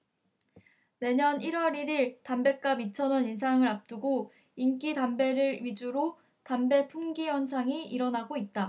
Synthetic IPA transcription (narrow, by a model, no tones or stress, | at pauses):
ne̞ɲʌniɾwʌɾiɾiɭtambe̞k̚k͈abit͡ɕʰʌnʌnins̬ʰaŋɯɾap̚t͈ɯɡo | ink͈itambe̞ɾɯɾɥid͡ʑuɾo | tambe̞pʰuŋɡiwʌns̬ʰaŋiiɾʌnaɡoit̚t͈a